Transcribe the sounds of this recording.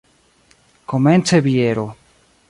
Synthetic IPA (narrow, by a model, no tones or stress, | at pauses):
koment͡seβjeɾo